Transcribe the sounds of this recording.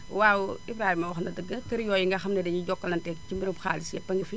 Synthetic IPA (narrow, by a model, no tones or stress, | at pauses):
waːwuibɾaːhimɐwxnɐdəɡɐkɐɾjɔːjiŋɡɐxɐmnɐdɐjiɟɔkːɐlɐntɛkcimbiɾimxa̰ːlisɛpɐŋɡifi